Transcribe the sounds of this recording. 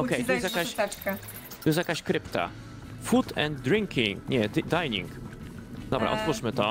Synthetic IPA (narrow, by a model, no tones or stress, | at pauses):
ɔkɛjt̪jɛst̪jakaʃt̪ɛka | t̪ɔjɛsjakaɕkɾɘpt̪a̰ | fut̪ʰɛ̰nd̪̚ːɾiŋkʰʲiŋkɲɛd̪d̪ajɲḭŋk | d̪ɔbɾa̰ʔɔ̰t̪vuʂmɘt̪ɔ